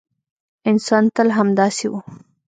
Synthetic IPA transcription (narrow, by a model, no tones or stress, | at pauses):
ɪnsɑnt̪əlɦamd̪ɑsewu